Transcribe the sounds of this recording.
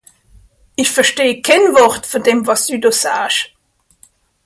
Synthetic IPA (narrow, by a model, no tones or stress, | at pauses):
ʔɪçfɛʃteːkʰɛnvɔʁtfɔdemvɑsd̥yːdoːsaːʃ